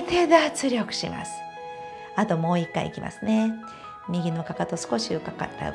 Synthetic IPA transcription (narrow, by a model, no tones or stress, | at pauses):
t̪ed̪at͡sɨɾʲo̞kɯ̟̥ɕima̰sɨ̥ | at̪o̞mo̞ːikːa̰ḭkʲimʔa̰sɨne̞ | mʲiɡʲino̞kakat̪o̞sɨ̥ko̞ɕiɯkaka̰t̪ːa̰